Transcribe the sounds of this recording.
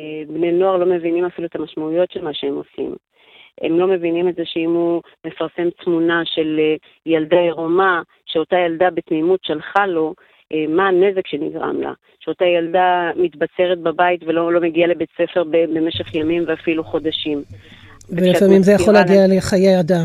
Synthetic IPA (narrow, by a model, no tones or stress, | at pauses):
ebneno̞aʁlo̞me̞vinimafiluet̪amaʃmaujo̞tʃelmaʃeemo̞sḭm | ʔḛmlo̞me̞vinimeze̞ʃeimu | me̞faʁse̞mtmunaʃe̞le | jaldaeʁoma | ʃeo̞tajaldabe̞tmimutʃalχalo̞ | ʔemaːne̞ze̞kʃe̞niɡʁa̰mla̰ | ʃeo̞tajaldamitbat͡se̞ʁet̚babaitvelolo̞me̞ɡialebe̞t͡se̞fe̞ʁbebe̞me̞ʃe̞χjamimveafiluχo̞daʃim | velifamimzejaχolaɡialeχajejada